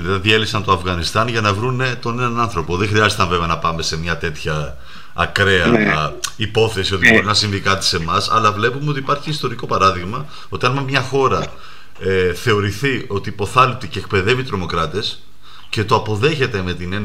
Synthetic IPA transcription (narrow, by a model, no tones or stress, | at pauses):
lɐðiðie̞lipsɐnt̪oɐfɣɐnist̪ɐnʝɐnɐvɾunet̪onenɐnɐnθɾo̞po̞ðexɾiɐzt̪ɐɱve̞veɐnɐpɐme̞se̞mɲɐt̪e̞t̪çɐː | kɾe̞ɐ | ipo̞θe̞sio̞t̪ibo̞ɾinɐsinvikɐt̪i̥se̞mɐsɐ̰lɐvle̞pumeo̞t̪ipɐɾçiːst̪o̞ɾiko̞pɐɾɐðiɣmɐ | o̞t̪iɐnmɐmɲɐxo̞ɾɐ | eθe̞o̞ɾiθio̞t̪ipo̞θɐlip̚t̪ice̞ːkpe̞ðe̞vit̪ɾo̞mo̞kɾɐt̪e̞s | ce̞t̪oɐpo̞ðe̞çe̞t̪e̞me̞t̪inen